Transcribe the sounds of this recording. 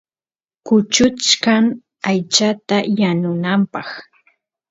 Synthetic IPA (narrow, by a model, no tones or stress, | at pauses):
kʊt͡ʃʊt͡ʃkaŋ | ajt͡ʃat̪ajanʊnampɑχ